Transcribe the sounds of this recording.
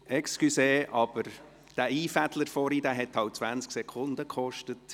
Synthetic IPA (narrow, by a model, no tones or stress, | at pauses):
ɛkskyseːʔɑb̥əɾ | d̥æːiːfæt̪ləɾfɔɾiːd̥æːɦɛt̪hɑwt̚t͡sʋænt͡sksɛkʰʊnd̪əkχɔʃtət